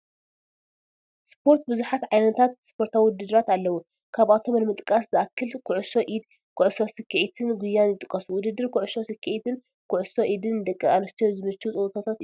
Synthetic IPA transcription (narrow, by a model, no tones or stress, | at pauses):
spʰo̞ɾt̪̚bɨzuħat̪ʕajnɐt̪ʰat̪̚spʰo̞ɾt̪ʰawid̪ɨd̪ɨɾat̪alːɐwu | kʰaβat̪ʰo̞mɐlmɨt̪ʼkʼaszɨʔakʰːɨlkʰʊʕʊso̞ʔid̪ | kʰʊʕʊsosɨkːiʕit̪ʰɨnɡʷʊjːanjɪt̪ʼɨkʼɐsuwʊd̪ɨd̪ːɨɾkʰʊʕʊso̞sɨkʰːiʕit̪ʰɨn | kʰʊʕʊsoʔid̪ɨnd̪ɐkʼːɨanɐst̪ʰejozɨmɨt͡ʃːɨut͡sʼɨwt̪ʰot̪ʰat̪